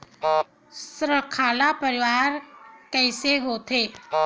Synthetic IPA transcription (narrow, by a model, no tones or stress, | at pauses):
sɾəkʰaːlapəɾɪʋaːɾkɛːseɦot̪ʰeː